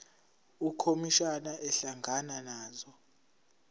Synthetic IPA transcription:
ukʰomiʃanaʔɛɬaŋʱananaːzɔ

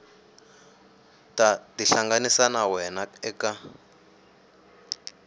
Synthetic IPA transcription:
tʼadiɬaŋɡanisanawɛnaɛka

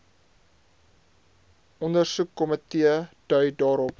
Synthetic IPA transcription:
ʔɔndərsukːɔmətiəd̥œɥdɑːɾɔp

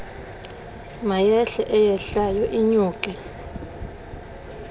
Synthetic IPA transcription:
majɛɬɛʔɛjɛɬajɔʔiɲuːkʼɛ

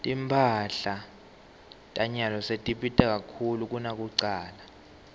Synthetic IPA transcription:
tʼimpʰaɬa | tʼaɲalɔsetʼiɓitʼak̬ʼakʰuluk̬ʼunak̬ʼuǀaːla

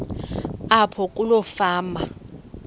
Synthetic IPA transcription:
apʰɔk̬ʼulɔfaːma

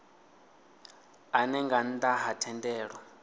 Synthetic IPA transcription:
anɛŋɡan̩daɦatʰɛndɛːɺwa

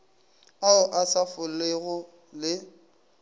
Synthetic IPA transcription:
aʊʔasafʊleɣʊ | lɪ

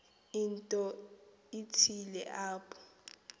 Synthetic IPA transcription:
intʼɔ | itʰilɛʔaːpʰʼɔ̥

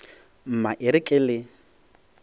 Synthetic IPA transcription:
m̩maʔɪɾɪkʼɪlɪ

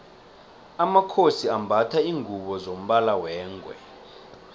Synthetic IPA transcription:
amakʰosiambʱatʰaiːŋʱuɓɔzom̩ɓalawɛːŋɡʱwɛ̰

